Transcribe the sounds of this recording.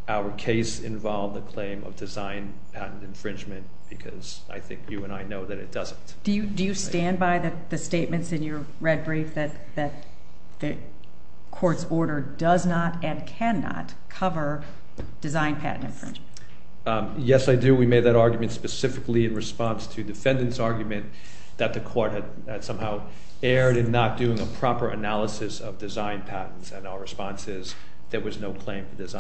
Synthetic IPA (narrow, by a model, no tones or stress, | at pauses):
ʔaʊə˞kʰeɪsɪ̰̃ɱvɑlˠvðɨkʰl̥ẽɪ̃mʌ̰vdɨzãɪ̃n | pʰæʔn̩tɨ̃ɱfɹɪ̃nd͡ʒmɨ̃n | b̥ɨkʰʌz̥ | a̰ɪθɪ̰̃ŋkʰjɨə̃ñaɪnoʊðɨɾɨ̰t̚d̥ʌz̃n̩td̥ɨjɨdɨjɨstæ̃nbaɪðɨt̪̚ðɨsteɪt̚mɨ̃ntsɨ̃njə˞ | ɹɛd̚bɹifðɨt̪̚ðɨt̪̚ | ðɨ | kʰɔɹtsɔɹɾə˞dʌznəɾɨ̃nkʰæ̃nːɑ̰t̚ | kʰʌvə˞ | d̥ɨzãɪ̃npʰæ̰ʔn̩tɨ̰̃ɱfɹ̥ɪ̰̃nd͡ʒmn | jɛsaɪdɨwimeɪd̪̚ðɨɾɑɹɡjmɨ̃ntspɨsɪfɨkliɨ̃nɹɨspɑ̃nstʰɨdɨfɛ̃ndɨ̃ntsɑɹɡjmɨ̃n | ðɨt̪̚ðɨkʰɔɹt̚ɦɨd | ɨd̥sʌ̃mhaʊ | ɛɹɾɨ̃nːət̚d̥ʉɪ̃ŋəpʰɹ̥ɑpə˞ʔɨ̰nælˠəsɨsʌvdɨzãɪ̃npʰæʔn̩tsɨ̃naʊə˞ɹɨspɑ̃nsɪz | ðət̚wʌznoʊkʰl̥ẽɪ̃ɱfə˞dɨz̃